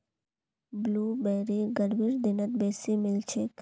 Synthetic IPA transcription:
bluːbɛːɾiɡəɽʋiɾd̪ɪnət̪̚beːsimɪlt͡ʃʰek

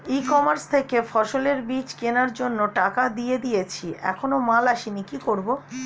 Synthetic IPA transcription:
ikɔmaɾst̪ʰekefʰɔʃoleɾbit͡ɕkenaɾd͡ʑonːoʈakad̪ijed̪ijet͡ɕʰiʔɛ̰kʰonomalaʃinikikoɾbo

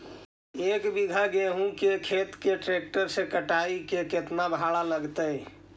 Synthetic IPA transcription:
ekbiɡʱaɡeɦũkekʰet̪keʈɾek̚ʈəɾsẽkəʈaikeket̪nabʱaɽaləɡt̪əj

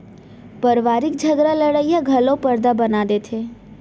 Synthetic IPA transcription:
pəɾʋaːɾɪk̚d͡ʒʱəɡɾaləɽəijãɡʱɐlõpəɾd̪abɐnaːd̪et̪ʰeː

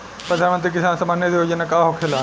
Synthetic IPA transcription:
pɾɐd̪ʱanmənt̪ɾik̬isaːnsɐmanjed̪iɦod͡ʒɐnːɐkaːɦokʰela

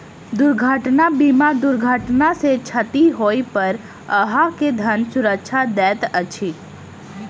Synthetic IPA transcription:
d̪ʊɾɡʱaʈnabimad̪ʊɾɡʱaʈnaset͡ʃʰət̪iɦoːipəɾ | əɦaked̪ʱənsʊɾəkʃʰad̪ɛːt̪ət͡ʃʰi

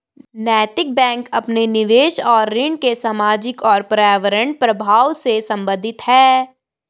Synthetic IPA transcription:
nɛːt̪ɪk̚bɛ̃ːŋkɐpnenɪʋeːʃɔːɾːɪɳkesaːmaːd͡ʒɪkɔːɾpɾaːʋəɾə̃ɳʈ̚pɾɐbʱaːwsesɐ̃mbə̃nd̪ʱɪt̪hɛː

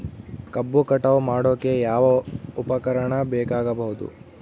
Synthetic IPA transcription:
kɐbːukɐʈɐʋumaːɽoːke̞jaːʋɐupɐkɐɾɐɳɐbɛːkaːɡɐbɐɦud̪ṵ

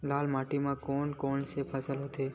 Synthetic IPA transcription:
laːlmaːʈimãkoːɳkoːɳsepʰasəlɦot̪ʰe

